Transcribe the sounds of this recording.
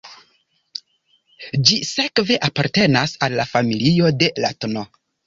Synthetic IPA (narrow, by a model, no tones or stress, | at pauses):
d͡ʒise̞kve̞ʔapaɾte̞nasalːafamilio̞de̞latno